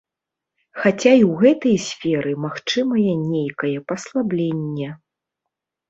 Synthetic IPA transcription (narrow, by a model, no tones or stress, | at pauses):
xat͡sʲaiwɣɛt̪ɐjsʲfʲɛɾɨmaxt͡ʂɨmɐjɛnʲejkɐjɛpɐslˠablʲenʲːɛ